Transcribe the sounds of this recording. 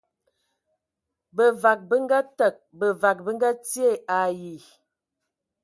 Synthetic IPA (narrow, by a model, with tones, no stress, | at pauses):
bə˨va˨k̚bə˦ŋ˦ɡa˦tə˨k̚bə˨va˨k̚bə˦ŋ˦ɡa˦ti˦e˦˨a˨ji˨